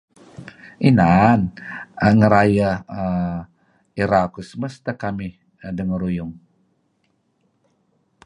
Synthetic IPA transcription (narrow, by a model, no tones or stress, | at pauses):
ʔinan | ŋəɾaja | iɾakusəməst̪akami | dəŋəɾujuŋ